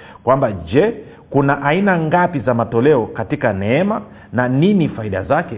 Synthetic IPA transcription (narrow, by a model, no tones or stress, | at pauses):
kwambad͡ʒɛ | kunaʔainaŋɡapizamatɔlɛɔkatikanɛɛma | naninifaiɗa̰zakɛ